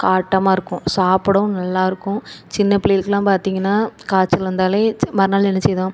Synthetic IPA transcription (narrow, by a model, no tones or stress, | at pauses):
kaːʈːɐmaːɪɾɯkːʊ̃saːpɐɽʊ̃nɐlːaːɪɾɯkːʊ̃t͡ʃɪnːɐpɪleːlkːɐlãːpaːɾt̪iːŋɡɐnːaːkaːt͡ʃːɪlʋɐnd̪aːleːmɐɾɐnaːlɛnɛt͡ʃːɪðãː